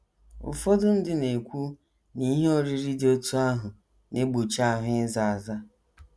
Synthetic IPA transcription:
ʊ̰˨fɔ˦dʊ˦n̩˦dɪ˦ne˨kʷu˦ | ni˦ɦe˦o˦ɾi˦ɾi˦do˦tu˦a˦ɦʊ˨ | ne˦ɡ͡bo˨t͡ʃa˦˨ɦʊ˨˦ɪ˦za˨a˨za˦

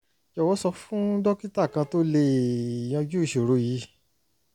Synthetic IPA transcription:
jɔ˧˨wɔ˨˦sɔ˧fũ˦dɔ˦ki˦ta˦˨kã˧to˦le˧i˨j̃ɔ̃˧d͡ʒu˦i˦˨ʃo˨ɾo˨˧˦ji˨˦

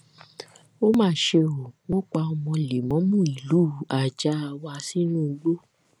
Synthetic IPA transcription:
o˦mãː˦˨ʃe˧o˨wɔ̃˦k͡pa˧ɔ˧mɔ̃˧le˨mɔ̃˨˦mũ˦i˨lu˨˦˨a˨d͡ʒa˨˦a˧wa˧si˦nũ˦˨˧ɡ͡bo˦

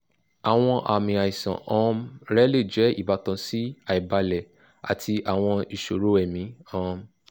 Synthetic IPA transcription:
a˨w̃ɔ̃˧ʔa˨mĩ˨a˨i˨sã̰˨ʔɔ̃˦˧˦mɾɛ˦le˦˨d͡ʒɛ˨˦ḭ˦˨ba˨˦tɔ̃˧si˦a˨i˨ba˧lɛ˨ | a̰˨tʰi˧a˨w̃ɔ̃˧i˨ʃo˨ɾo˨˦ɛ˦˨mĩ˨˦ɔ̃˦

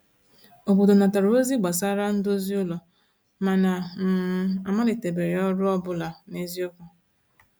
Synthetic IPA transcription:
o˨bo˨do˨na˨ta˨ɾʊ˨e˦zi˦ɡ͡ba˨s̬a˦ɾa˦n̩˦do˦zi˦ʊ˦lɔ˨ | ma˨na˨m̩˨˦a˨ma˦lɪ˨te˨be˨ɾe˨ɔ˦ɾʊ˦ɔ˦bʊ˦la˨ne˦zi˦o˦kʊ˨

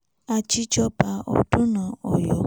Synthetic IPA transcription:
a˦t͡ʃi˦t͡ʃɔ˦pa˦ʔɔ̰˨tʊ˦na˨ɔ˨jɔ˨

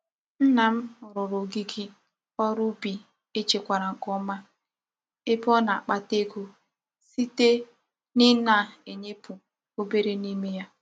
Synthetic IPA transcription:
n̩˦na˨m̩˦ʊ˨ɾʊ˨ɾʊ˨ɡi˦ɡi˦ | ɔ˦ɾʊ˦bi˨ | e˦t͡ʃe˨kʷa˨ɾa˨ŋ̩˨kɔ˦ma˦ | e˦pɔ˦na˨a˨k͡pa˦te˦ɡo˦ | si˦te˦ | nɪ˦na˦˨e˨ɲe˦pu˨ | o˦be˦ɾe˦ni˦me˦ja˦

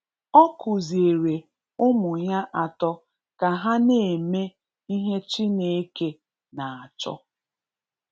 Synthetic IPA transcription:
ɔ˦kʊ˨zi˨e˨ɾe˨ | ʊ˦mʊ˨ɲa˦ʔa˨tɔ˦ | ka˨ɦa˦ne˨e˨me˦ | i˦ɦe˦t͡ʃi˦ne˨e˦ke˦ | na˨a˨t͡ʃɔ̰˦

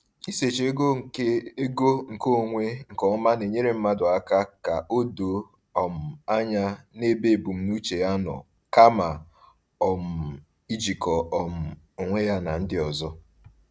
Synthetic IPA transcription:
i˦se˨t͡ʃe˦ɡo˦˨e˦e˦ɡo˦ŋ̩˨ko˦˨ŋʷe˦ŋ̩˨kɔ˨ʊ˦ma˦ne˨ɲe˦ɾe˦m̩˦ma˦dʊ˨a˦ka˦ka˨ʔo˦do˨ | ɔ˨m̩˨a˦ɲa˦ne˦be˦˨bu˨m̩˨nu˦t͡ʃe˨ja˦nɔ̰˨ | ka˦ma˨ | ɔ˨m̩˨ | i˦d͡ʒi˨kɔ˨ɔ˨m̩˨ | o˨ŋʷe˦ja˦na˨n̩˦dɪ˦ɔ˨zɔ˦

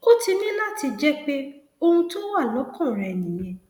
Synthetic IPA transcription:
o˦ti˧nĩ˦la˦˨ti˧d͡ʒɛ˦k͡pe˦ | o˧ũ˧to˦wa˦˨lɔ˨˦kɔ̃˦˨ɾɛ˨nĩ˨j̃ɛ̃˧˨

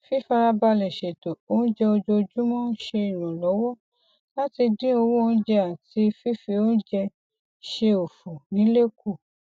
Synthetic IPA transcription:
fi˦fa˧ɾa˧ba˧lɛ˨ʃe˨to˨o˦ñ̩˦d͡ʒɛ˧o˧d͡ʒo˧d͡ʒu˦mɔ̃˦ʃe˧i˨nũ˨lɔ˨˦wɔ˦ | la˦ti˧dĩ˦o˧wo˦õ˦d͡ʒɛ˧a˨ti˧˦fi˦fi˧o˦d͡ʒɛ˧ | ʃe˧o˨fu˨nĩ˨˦le˦ku˦˨

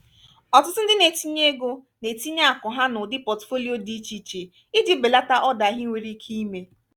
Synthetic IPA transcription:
ɔ˨tʊ˦tʊ˦n̩˦dɪ˦ne˨ti˦ɲe˦ɡo˦ | ne˨ti˦ɲa˦a˦˨kʊ˨ɦa˦nʊ˨dɪ˦pɔ˨tfo˦li˦o˦di˦t͡ʃi˨t͡ʃe˨ | ɪ˦dɪ˦be˨la˦ta˦ʔɔ˦da˨˦ɦɪ˦ŋʷe˨ɾi˦kʰi˦i˦me˦

